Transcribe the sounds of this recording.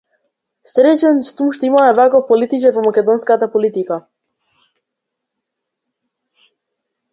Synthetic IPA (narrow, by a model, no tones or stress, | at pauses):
st̪ɾɛt͡ʃɛnst̪vumʃt̪ɔimamɛvakɔfpɔlit̪it͡ʃɛɾvɔmakɛd̪ɔnskat̪apɔlit̪ika